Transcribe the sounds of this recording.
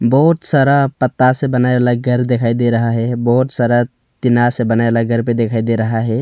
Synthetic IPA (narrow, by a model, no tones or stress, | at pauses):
bɔɦut̪səɾəɦpət̪ːasẽbənaebelaɡəɾd̪ekʰajd̪eɾəɦaɦɛbɔɦut̪səɾə | t̪inasẽbənaebelaɡəɾped̪ekʰajd̪eɾəɦaɦɛ